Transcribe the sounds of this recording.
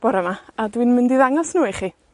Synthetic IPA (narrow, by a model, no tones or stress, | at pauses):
b̥ɔɾəmaadwinmɪndiðaŋɔsnuːiχi